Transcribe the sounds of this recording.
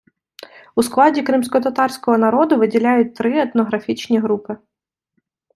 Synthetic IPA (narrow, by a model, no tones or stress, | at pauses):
usklˠɑdʲikɾɪmsʲkɔt̪ɐt̪ɑrsʲkɔɦɔnɐɾɔd̪ʊʋɪdʲilʲajʊt̚ʲt̪ɾɪɛt̪nɔɦɾɐfʲit͡ʃnʲiɦɾupɪ